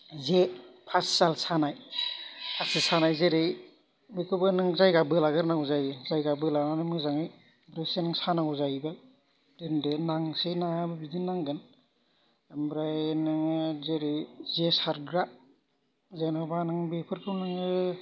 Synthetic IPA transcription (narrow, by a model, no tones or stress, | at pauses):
zepʰasːalsanaj | pʰasisanajzeɾɯj | bikʰɯbɯnɯŋzajɡabɯlaɡɯɾnaŋuzajzajɡabɯlananɯmɯzaŋɯj | mbɾajsenaŋsanaŋuzajba | dɯndɯnaŋsenajabɯbidinːaŋɡɯn | mbɾajnɯŋzeɾɯjzesaɾɡɾa | zenɔbanaŋbepʰɯɾkʰɯwnaŋɯ